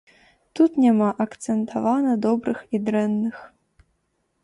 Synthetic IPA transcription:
t̪ut̪nʲamaʔɐkt̪t͡s̪ent̪ʰɐvanɐd̪obɾɨxid̪rɛnːɨx

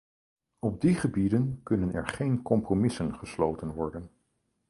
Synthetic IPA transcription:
ɔb̚diχəbidənkɵnənɛ̰ɹχejnkɔmpromɪsənχəslowtənʋɔɹdən

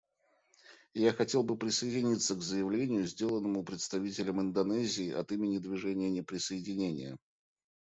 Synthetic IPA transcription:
jaxɐtʲe̞lˠbɨpɾʲɪsəɪdʲɪnʲit̪sːəkzəjɪvlʲenʲɪjʊzʲdʲe̞lˠənːəmʊpɾʲɪt̪st̪ɐvʲitʲɪlʲəmɪnd̪ɐnɛzʲɪːʔɐ̰t̪imʲɪnʲɪd̪vʲɪʐɛnʲɪjənʲɪpɾʲɪsəɪdʲɪnʲenʲɪ̰jə

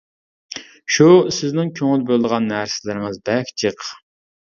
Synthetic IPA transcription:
ʃusɪznɪŋkʲʰøŋylbølˠd̪əʁɑnːæɾsɪlɪɾɪŋɨzbɛkʲt͡ʃʰəq

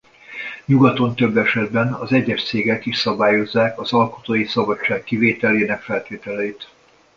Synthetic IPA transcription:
ɲuɡɒt̪o̞nt̪ø̞bːɛʃɛd̪bɛnɒzɛɟːɛʃt̪seːɡɛkiʃsɒbaːjo̞zːaːkɒzɒlko̞̥t̪oːjisɒbɒt͡ʃːaːkːiveːt̪ɛleːnɛkfɛlt̪eːt̪ɛlɛit̪

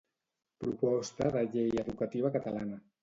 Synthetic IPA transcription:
pɾupɔst̪əðəʎejəðukət̪iβ̞əkət̪əlanə

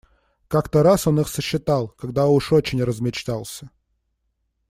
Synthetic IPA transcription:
kakt̪əɾaso̞nɨxsəɕːɪt̪alˠkɐɡ̚d̪aʊʂot͡ɕɪnʲrəzmʲɪt͡ɕt̪alˠsʲə

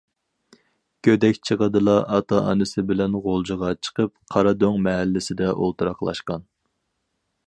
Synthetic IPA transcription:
kʲʰød̪ɛkʲt͡ʃʰəʁəd̪ɨlˠɑʔɑt̪ʰɑʔɑ̰nɨsɪbɪlɛnʁolˠd͡ʒəʁɑt͡ʃʰə̥qəp̚qʰɑɾɑd̪oŋmɛɦælːɪsɪd̪ɛʔolˠt̪ʰuɾɑχlˠɑ̰ʃqɑn

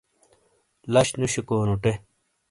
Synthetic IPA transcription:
lɐɕnuɕikoːnuʈe

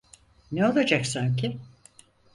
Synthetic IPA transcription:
neo̞lˠad͡ʒaksamcʰi

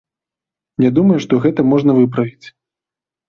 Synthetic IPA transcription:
nʲad̪umɐjuʂt̪ɔɣɛt̪ɐmɔʐn̪ɐvɨp̬ɾɐvʲit͡sʲ

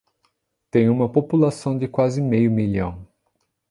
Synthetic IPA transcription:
t̪ẽj̃ũmɐpopulasɐ̃w̃d͡ʒ̪ɪkwazɪmejʊmiʎɐ̃w̃

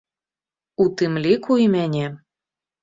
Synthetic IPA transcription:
ut̪ɨmlʲikujmenʲe

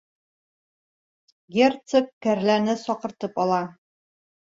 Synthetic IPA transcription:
ɡʲert̪səp̚kæɾlænɘsɒqɤ̆ɾt̪ɤpɒlˠɑ

